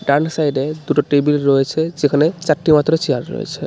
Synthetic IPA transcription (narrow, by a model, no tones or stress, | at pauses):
ɖaɾnsajɖed̪uʈoʈɾebilɾɔet͡ɕʰed͡ʑekʰanet͡ɕaɾʈːimat̪ːɾot͡ɕeaɾɾɔ̰jḛt͡ɕʰe